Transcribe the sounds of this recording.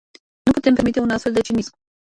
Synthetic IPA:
nuput̪e̞mpe̞ɾmit̪e̞unast̪fe̞ld̪et͡ʃimisk

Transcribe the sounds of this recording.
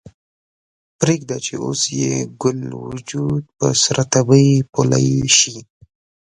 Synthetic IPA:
pɾeɡd̪at͡ʃeo̰sjeɡʊlwʊ̰d͡ʒud̪̚pəsɾat̪abəjpola̰jʃi

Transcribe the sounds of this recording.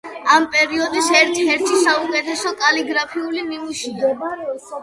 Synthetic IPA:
ampʼɛɾiɔd̪isɛɾt̪ʰɛɾt̪ʰisaukʼɛt̪ʰɛsɔkʼaliɡɾapʰiulimimuʃia

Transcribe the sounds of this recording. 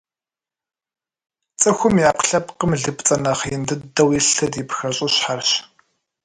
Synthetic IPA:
t͡sʼɨxʷʊmjaːqɬɐpqəmɮɨpt͡sʼɐnɐχjɪndɨdɐwjɪɬɐdipxɐɕʼɪɕħarɕ

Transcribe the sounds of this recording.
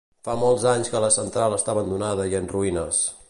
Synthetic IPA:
famɔlˠzaɲskələsənt̪ɾalˠəst̪aβənd̪unað̞əiənruinəs

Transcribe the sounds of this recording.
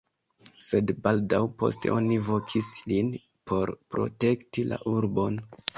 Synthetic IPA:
se̞dbaldawpo̞̰ste̞̰ʔo̞nivo̞kʰislin | pʰo̞ɾpɾo̞̰te̞ktila̰ʔuɾbo̞n

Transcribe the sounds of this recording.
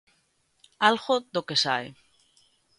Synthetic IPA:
alɣoðokesa̰j

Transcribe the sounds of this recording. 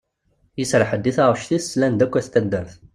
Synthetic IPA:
jəsɾˤħəd̪ːiθaʁʃθiθslænd̪ækʷːæθt̪æd̪ːəɾθ

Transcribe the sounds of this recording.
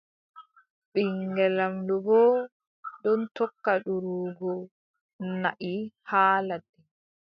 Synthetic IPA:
ɓiŋɡɛlamdɔɡɔː | ɗɔntɔkːaɗuɾuːɡɔ | naʔihaːladːɛ

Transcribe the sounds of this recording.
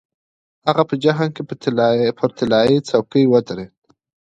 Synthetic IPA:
haɣapəd͡ʒaɦankepʰəɾt̪ɪlɑit͡sawkəjwət̪aɾed̪

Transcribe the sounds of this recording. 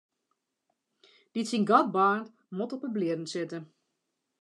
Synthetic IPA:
d̥itsinɡɔd̚baːnt | motɔpəblɪədn̩sɪtə

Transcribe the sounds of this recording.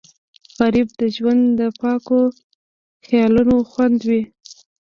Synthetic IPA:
ɣaɾib̚d̪əʒwand̪d̪əpɑko | xjɑlunoxwand̪wi

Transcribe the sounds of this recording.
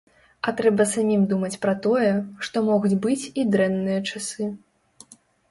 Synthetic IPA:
ɐt̪ɾɛbɐsamʲimd̪umɐt͡sʲpɾɐt̪ɔjɛʂt̪ɔmɔɣut͡sʲbɨt͡sʲid̪ɾɛnːɨjɐt͡ʂasɨ

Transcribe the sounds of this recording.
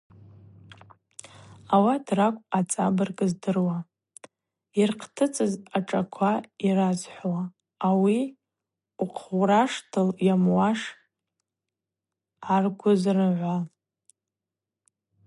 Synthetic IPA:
awatʰrakʷʼat͡sʼa̰bɨrkʼɨzdɨrwa | irqʰtʰɨt͡sʼɨzaʈ͡ʂʼakʷʰaiɾazħʷwaː | wi | uqʰwraʂtʰɨljamwaʂ | arɡʷʊzrɨʕʷa

